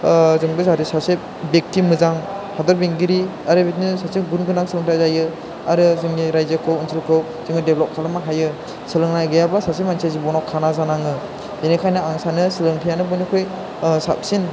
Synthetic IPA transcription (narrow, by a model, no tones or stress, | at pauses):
zɯŋbɯzaɾisasep̚bek̚timɯzaŋ | hadɔɾbeŋɡiɾi | aɾɯbet̚nɯsasep̚ɡunɡɯnaŋsɯlɯŋtʰazajɯ | aɾɯzɯŋːiɾajzakʰɯwɯnsʰilkʰɯw | zɯŋnɯdeblɔp̚kʰalɯmaɦajɯ | sɯlɯŋnajɡɯjabasasep̚mansʰazibɔnɔkʰːanazanaŋɯ | denikʰajnɯaŋsanɯsɯlɯŋtʰijanɯbɔnikʰoj | sa̰p̚sin